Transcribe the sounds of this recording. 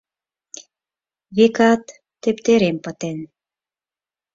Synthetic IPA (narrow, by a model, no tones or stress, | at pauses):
βikɑt̪ː | ept̪eɾempə̆t̪en